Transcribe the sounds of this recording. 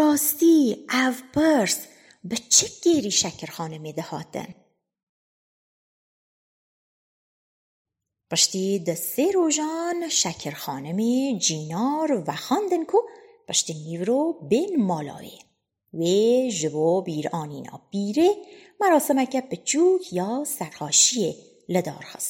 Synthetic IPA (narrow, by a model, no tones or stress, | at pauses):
ɾɑːst̪iavpʰəɾs | bət͡ʃʰiɡeɾiʃækʰəɾxɑːnəmed̪əhɑ̰ːt̪ə̰n | pəʃt̪id̪əseɾoʒɑnʃækʰəɾxɑːnəmed͡ʒiːnɑːɾvaxɑnd̪ənkʰuqəʃt̪inivɾobenmɑːlɑ̰ːwḛ | weʒɨbobiːɾɑːniːnʔɑ̰ːb̥iːɾemæɾɑːsəmækæbət͡ʃʰuːkʰjɑːsæɾhɑːʃie | ləd̪ɑ̰ːɾxə̰s